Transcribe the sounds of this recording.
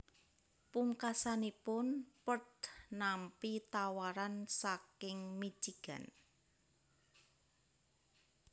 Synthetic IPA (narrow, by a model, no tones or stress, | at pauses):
puŋkasanipʊnpəd̪̥nampit̪awaɾansakɪŋmi̥d͡ʒiɡ̥a̰n